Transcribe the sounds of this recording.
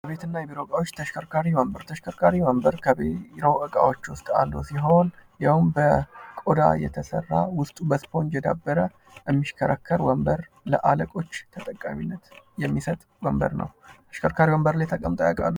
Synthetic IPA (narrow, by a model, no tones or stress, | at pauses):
jəβe̞t̪ɨnːajɛbiɾokʼawot͡ʃːt̪ʰəʃkʰəɾkʰaɾiwəmbəɾt̪ʰəʃkʰəɾkʰaɾiwəmbəɾkʰəɾo̞ʔɨkʼa̰wot͡ʃːwʊst̪ʼa̰lːusiɦo̞njawmbəkʼod̪a̰jɛ̰t̪ʰəsə̰rːawʊst̪ʼubəspʰo̞nd͡ʒɛd̪a̰bːəɾə | ʔəmːiʃkʰəɾəkʰːəɾwəmbəɾ | lə̰ʔaləkʼo̞t͡ʃːt̪ʰət̪ʼəkʼːaminːət̪ | jɛmːisət̪ʼ | wəmbə̰ɾnə̰wt̪ʰə̥ʃkʰəɾkʰaɾiwəmbəɾlajt̪ʰəkʼəmt̪ʼojkʼa̰lːu